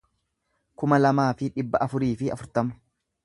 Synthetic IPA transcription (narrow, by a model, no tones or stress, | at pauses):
kʊmɐlɐmaːfɪᶑɪbːɐʔɐfʊɾiːfɪɐ̰fʊɾt̪ɐmɐ̥